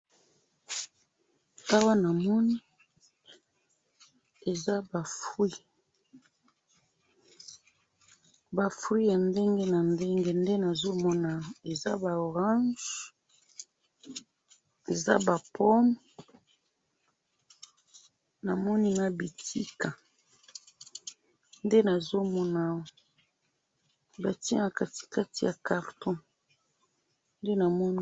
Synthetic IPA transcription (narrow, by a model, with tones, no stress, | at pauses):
ta˦wa˦na˨mɔ˦ni˦ | e˨za˦ba˨fwi˦ | ba˨fwi˦ja˨nde˦ŋɡe˦na˨nde˦ŋɡe˦nde˦na˨zo˦mɔ˦na˨e˨za˦ba˨o˨ʁã˦nʒ | e˨za˦ba˨pʰɔ˦m | na˨mɔ˦ni˦ma˦bi˨tʰi˦ka˨ | nde˦na˨zo˦mɔ˦na˨o˨ | ba˨ti˦na˨ka˦ti̥˨ka˦ti˨ja˨ka˨ʁtɔ̃˦ | nde˦na˨mɔ˦n